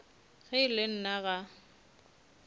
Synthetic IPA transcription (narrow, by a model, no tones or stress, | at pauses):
ɣɪɪlɪn̩naɣa